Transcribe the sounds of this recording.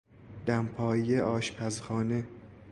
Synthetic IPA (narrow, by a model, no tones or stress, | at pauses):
d̪̥æmpʰɒːjeʔɒːʃpʰæzxɒːne